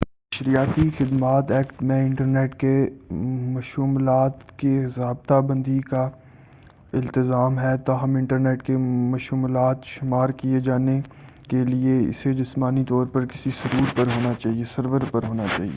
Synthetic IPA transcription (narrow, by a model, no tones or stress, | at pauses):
mɐʃɾijaːt̪ixɪd̪maːt̪ɛːkʈmẽɪ̃ɳʈəɾneːʈke | mɐʃuːmlaːt̪keɦɪzaːb̚t̪abɐ̃nd̪ika | ɪlt̪ɪzaːmɦɛt̪aːɦɐmɪ̃ɳʈəɾneːʈkemɐʃuːmlaːt̪ʃɪmaːɾkied͡ʒaːne | kelieɪ̰sed͡ʒɪsmaːnit̪ɔːɾpɐɾkɪsisɐɾuːɾpɐɾɦoːnat͡ʃaːɦiesɐɾʋəɾpɐɾɦoːnat͡ʃa̰ːɦḭeː